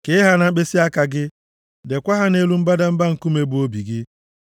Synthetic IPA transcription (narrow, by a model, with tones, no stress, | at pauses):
ke˦ɪ˦ɦa˦na˨˦k͡pe˦si˦a˦ka˨ɡɪ˦ | de˨kʷa˦ɦa˦ne˦lu˦m̩˦ba˦da˦m̩˦ba˦ŋ̩˨ku˦me˦bʊ˨o˦bi˨ɡɪ˦